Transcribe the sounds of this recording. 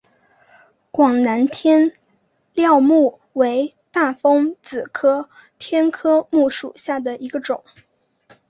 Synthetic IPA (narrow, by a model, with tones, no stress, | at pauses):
kwɑ˨˩ŋna˧˥nt̪ʰjɛ˥n | ljɑ˥˧ʊmu˥˩ | we˧˥ɪ | t̪a˥˩fɤ˥ŋt͡sɹ̩˨˩kʰɤ˥ | t̪ʰjɛ˥nkʰɤ˥mu˥˩ʂu˨˩ɕja˥˩d̪ə˩i˧˥ɡə˧ʈ͡ʂʊ˨˩˦ŋ